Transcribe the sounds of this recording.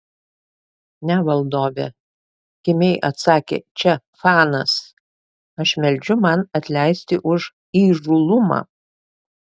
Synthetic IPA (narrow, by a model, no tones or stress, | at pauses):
nʲɛʋɐlˠd̪oːʋʲḛ | kʲɪmʲɛɪʔɐt̪sɑːkʲḛːt͡ʃʲɛ | fɑːnɐs | ɐʃmʲɛlʲˑd͡ʒʲʊmɐnɐt̪ʲlʲæˑɪsʲt̪ʲɪʔʊʒ | iːʒʊlˠʊmɑ̰ː